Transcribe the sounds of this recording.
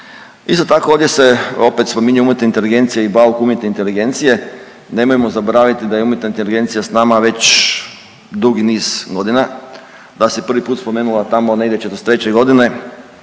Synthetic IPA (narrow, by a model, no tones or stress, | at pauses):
ist̪o̞t̪akooʋd̪jese̞o̞pet̪spo̞miɲujoumjet̪neint̪e̞liɡe̞nt̪sijeibalkuumje̞t̪neint̪e̞liɡe̞nt̪sije̞ | ne̞mojemo̞zaboɾaːʋit̪id̪ajeumjet̪naint̪eliɡe̞nt̪sijasnamaʋe̞t͡ɕ | d̪uɡiniːz̥ɡo̞d̪ina | d̪asepr̩ʋipuːt̪spo̞me̞ːnulˠat̪amo̞neɡd̪et͡ʃet̪ost̪ɾe̞t͡ɕeɡo̞d̪ine̞